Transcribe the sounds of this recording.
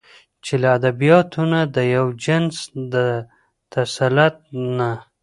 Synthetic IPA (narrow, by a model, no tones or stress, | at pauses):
t͡ʃelaːd̪abijɑt̪ʰunad̪əjawd͡ʒɪnsd̪ə | t̪asalat̪̚na